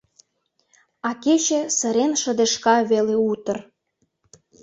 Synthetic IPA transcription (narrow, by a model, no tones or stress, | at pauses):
ɑket͡ɕĕsə̆ɾenʃə̆d̪eʃkɑβeleut̪ə̆r